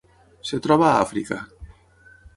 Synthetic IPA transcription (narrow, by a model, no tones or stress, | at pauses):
set̪ɾɔβaːa̰fɾika